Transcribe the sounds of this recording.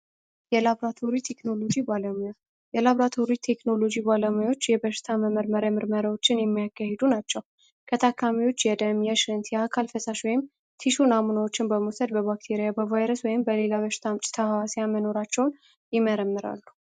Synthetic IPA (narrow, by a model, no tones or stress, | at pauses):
jɛlaβɾat̪ʰo̞ɾit̪ʰe̞kno̞lo̞d͡ʒibaləmuja | jɛlaβɾat̪ʰo̞ɾit̪ʰe̞kno̞lo̞d͡ʒibaləmujawot͡ʃːjɛbəʃɪ̥t̪ʰaməməɾməɾəmɨɾməɾawo̞t͡ʃːɪnjɛmːijakːahed̪unat͡ʃːɛw | kʰət̪ʰakʰːamiwo̞t͡ʃːjɛd̪əmjɛʃɾɨnt̪jɛakʰalfəsaʃwɔjɪm | t̪ʰiʃunamunawot͡ʃːɪnbəmosəd̪̚bəβakt̪ʰeɾijabəvajɾəswɔjɪmbəle̞laβəʃɪ̥t̪ʰamt͡ʃʼɪ̥t̪ʰəhawasejaməno̞ɾat͡ʃːɛwn | jɪməɾəmːɨɾa̰lːu